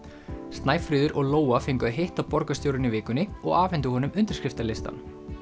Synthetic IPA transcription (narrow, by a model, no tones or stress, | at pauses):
st̪naːjfɾɪːðʏɾʔɔɣloːwafɪŋkʏaɦeht̪awpɔɾkast̪joːwɾɪnːɪvɪːkʏnɪɔ̰ɣaːvɛnt̪̬ʏhɔːnʏmʏnt̪ɪɾ̥kɾɪft̪alɪst̪a̰n